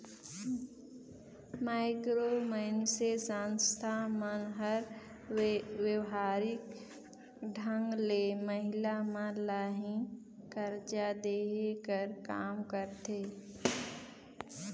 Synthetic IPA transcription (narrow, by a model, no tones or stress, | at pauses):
maːɪkɾomənsesãnst̪ʰamənɦəɾ | ʋjəʋɦaːɾɪk | ɖʱə̃ŋɡleməɦɪlamãlaːɦĩ | kəɾd͡ʒad̪eːkəɾkaːmkəɾt̪eː